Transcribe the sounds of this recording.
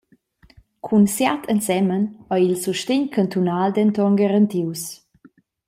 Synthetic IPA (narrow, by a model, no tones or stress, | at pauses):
kʰunsjat̪ʰənsɛmənɔjilsuʃteɲkʰant̪unald̪ɛnt̪ɔŋɡaɾənt̪iws